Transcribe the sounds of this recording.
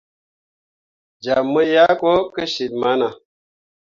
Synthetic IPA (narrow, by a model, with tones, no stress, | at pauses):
d͡ʒa˨mːə˦ja˦ko˦kə˦ʃi˨t̚ma˦na˨